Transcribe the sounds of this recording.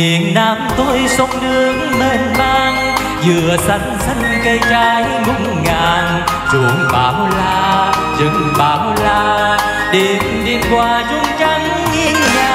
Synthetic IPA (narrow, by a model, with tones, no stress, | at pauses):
i˨˩˨ənnaː˧mt̪o˧jsə˨˧˦wŋ͡mnɨ˧əŋme˧˩nmaː˧n | zɨ˨˧˨əsa˧˩ŋ̟sə˧˩ŋkə˧jt͡ɕaː˧j | ŋʊ˧˥ŋ͡mŋaː˧˩n | zu˨˩ŋɓaː˨˦wlaː˧ | zɨ̰˨˦ŋɓaː˨˦wlaː˧ | ɗe˧˨˦n | ɗi˧˩ənkwaː˧˩zʊ˧ŋ͡mt͡ɕa˧˦ŋːi˧əna˧